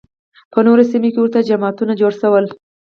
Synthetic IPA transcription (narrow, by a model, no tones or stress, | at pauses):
pənoɾasimekewəɾt̪ad͡ʒamɑt̪unad͡ʒoɽʃəwəl